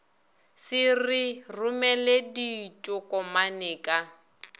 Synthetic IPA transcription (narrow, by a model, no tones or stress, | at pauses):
sɪrirʊmɛledit͡ʃʼʊkʼɔmanɛːkʼa